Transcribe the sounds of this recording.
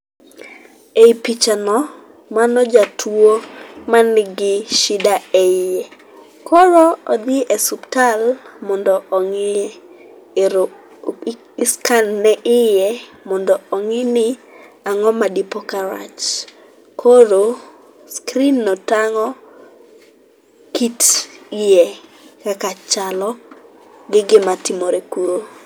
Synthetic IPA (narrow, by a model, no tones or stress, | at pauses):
eipit͡ʃanɔ | manɔd͡ʒatʰwomanɡɪʃɪdaɛɪjɛ | kʰoɾoɔd̪ɪʔɛsuptalmɔndɔʔɔŋɪɛ | ɪskanːɛʔɪjɛ | mɔndɔɔŋɪnɪ | aŋɔmadipɔkaɾa̰t͡ʃ | kʰoɾo | skɾinːɔtaŋɔ | kitijɛ | kakat͡ʃalɔ | ɡɪɡɪmatɪmoɾekuɾo